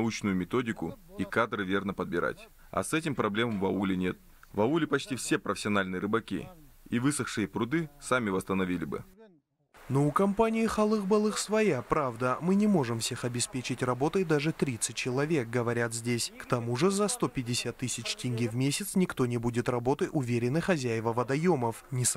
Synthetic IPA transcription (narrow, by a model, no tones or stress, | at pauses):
ut͡ɕnʊjʊmʲɪt̪o̞dʲɪkʊ̰ikad̪ɾɨvʲe̞rnəpəd̪̚bʲɪɾa̰tʲ | ɐ̰sɛtʲɪmpɾɐblʲe̞məmvɐ̰ulʲɪnʲet̪̚ | vɐulʲɪpɐt͡ɕtʲifsʲe̞pɾəfʲɪ̥sʲɪɐnalʲnɨjəɾɨbɐkʲḭ | ivɨsəxʂɨjəpɾʊd̪ɨsamʲɪvəst̪ənɐvʲilʲɪbɨ̰ | no̞ʊkɐmpanʲɪjɪxɐlˠɨɣbɐlˠɨxsvɐjapɾavd̪əmɨnʲɪmo̞ʐɨmfsʲe̞xɐbʲɪspʲet͡ɕɪtʲrɐbo̞t̪əjd̪aʐɨt̪ɾʲit̪sɨt̚ʲt͡ɕɪlˠɐvʲe̞k̚ɡəvɐɾʲat̪zʲdʲesʲkt̪ɐmuʐɨzɐst̪o̞pʲɪdʲɪsʲat̪ːɨsʲɪt͡ɕtʲɪnʲɡʲivmʲesʲɪt̪snʲɪkt̪o̞nʲɪbudʲɪt̪rɐbo̞t̪əjʔʊvʲeɾʲɪnːɨjxɐzʲæjɪvəvəd̪ɐjo̞məfnʲɪs